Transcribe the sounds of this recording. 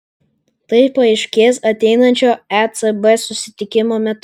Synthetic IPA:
t̪ɐɪpɐɪʃʲkʲeːsɐt̪ʲɛɪnɐnʲt͡ʃʲoːæt̪sɛbɛsʊsʲɪt̪ʲɪkʲɪmoːmʲɛt̪

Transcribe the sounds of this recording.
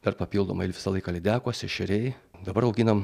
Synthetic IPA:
d̪̥ɐrpɐpʲiːlˠd̪oːmɐɪlʲʋʲɪsɐlˠɐɪkɐlʲɪd̪ʲæːkoːsʲɪʃʲɪɾʲɛɪd̪ɐbɐɾɐʊɡʲɪnɐm

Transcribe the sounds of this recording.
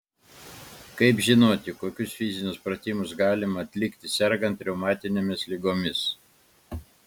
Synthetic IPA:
kɐɪpʒʲɪnoːt̪ʲɪkoːkʲʊsfʲɪzʲɪnʲʊspɾɐt̪ʲiːmʊsɡɑːlʲɪmɐːt̪ʲlʲɪkt̪ʲɪsʲɛɾɡɐnt̪ɾʲɛʊmɑːt̪ʲɪnʲemʲɪslʲɪɡoːmʲɪs

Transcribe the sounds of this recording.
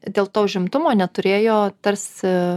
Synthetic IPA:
d̪ʲeːlˠt̪oːʊʒʲɪmt̪ʊmoːnʲɛt̪ʊɾʲeːjoːt̪ɐɾʲsʲ

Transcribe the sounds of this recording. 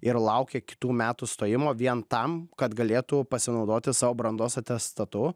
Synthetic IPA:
ɪɾlˠɐʊkʲeːkʲɪ̥t̪uːmʲæːt̪ust̪oːjɪmoːʋʲiɛnt̪ɐmkɐt̪ɡɐlʲeːt̪upɐsʲɪnɒʊd̪oːt̪ʲɪsɑːʋoːbɾɐnd̪oːsɐt̪ʲɛst̪ɐt̪ʊ

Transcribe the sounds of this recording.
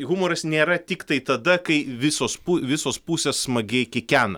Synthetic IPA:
ɣʊmoːɾɐsnʲeːɾɐt̪ʲɪkt̪ɐɪt̪ɐd̪ɐkɐɪʋʲɪsoːspuʋʲɪsoːspuːsʲeːsːmɐɡʲɛkʲɪkʲæːnɐ

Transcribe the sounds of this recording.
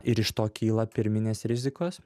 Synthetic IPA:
ɪɾɪʃt̪oːkʲiːlˠɐpʲɪɾʲmʲɪnʲeːsɾʲɪzʲɪkoːs

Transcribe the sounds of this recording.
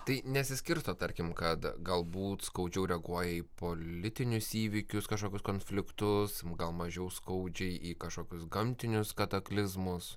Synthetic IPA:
t̪ɐɪnʲɛt̪sʲɪsʲkʲɪɾst̪oːt̪ɐɾʲkʲɪmkɐt̪ɡɐlˠbuːt̪skɐʊd͡ʒʲɛʊɾʲɛɡuɔjɛiːpoːlʲɪt̪ʲɪnʲʊsiːʋʲikʲʊskɐʃkoːkʲʊskoːnfʲlʲɪkt̪ʊsɡɐlˠmɐʒʲɛʊskɐʊd͡ʒʲɛɪʔiːkɐʃkoːkʲʊsɡɐmʲt̪ʲɪnʲʊskɐt̪ɐklʲɪzmʊs

